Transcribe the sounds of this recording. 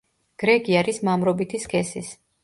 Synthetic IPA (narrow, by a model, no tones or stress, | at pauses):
ɡ̥ɾɛɡiaɾismamɾɔbit̪ʰiskʰɛsḭs